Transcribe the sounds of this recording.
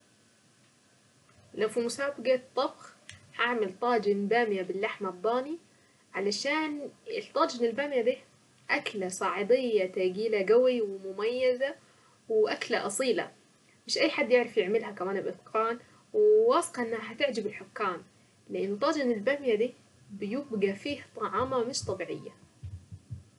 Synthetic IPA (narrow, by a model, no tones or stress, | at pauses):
lawfimʊsaːbɪɡat̪ˤːɑbxhaʕmalt̪ˤɑːd͡ʒɪnbaːmjabɪlːaħmad̪ˤːɑːni | ʕalaʃaːnɪt̪ˤɑːd͡ʒɪnɪlbaːmjad̪iː | ʔaklasˤɑːʕɪd̪ˤɪjːat̪aːɡiːlaɡawiwɪmʊmajːaza | wʔaklaʔɑsˤiːla̰ | mɪʃʔajːħad̪ːjɪʕɾɑfjɪʕmɪlɦakamaːnɪbʔɪθqʰɑːn | wwɑːsɨ̥qɑʔɪnːhaɦat̪ɪʕd͡ʒɪbɪlħʊkːaːm | lɪʔɪnːʊt̪ˤːɑːd͡ʒɪnɪlbaːmjad̪iː | bɪjɪbɡafiːht̪ˤɑʕɑːmamɪʃt̪ˤɑbiːʕɪ̰jːa̰